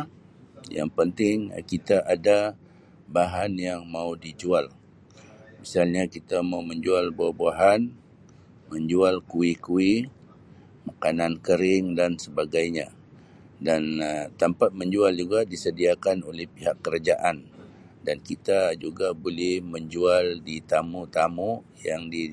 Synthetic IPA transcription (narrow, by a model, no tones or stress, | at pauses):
ja̰ŋpənt̪ɪŋkit̪aʔada | baɦanjaŋmaudid͡ʒual | misalɲakit̪amauməɲd͡ʒualbuahbuaɦan | məɲd͡ʒualkuikui | makanankəɾɪŋdansəbaɡajɲa | dant̪əmpat̪̚məɲd͡ʒuald͡ʒuɡadisədiakanolɛhpiɦakːəɾad͡ʒaʔan | dankit̪ad͡ʒuɡabolɛhməɲd͡ʒualdit̪amut̪amu | jaŋdi